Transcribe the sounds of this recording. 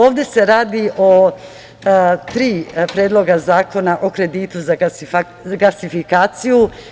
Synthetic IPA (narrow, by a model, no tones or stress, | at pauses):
oːʋd̪e̞se̞ɾaːd̪iʔo | t̪ɾiːpɾeːd̪lˠo̞ɡazaːko̞naʔokɾe̞d̪iːt̪uza | ɡasifikaːt̪siju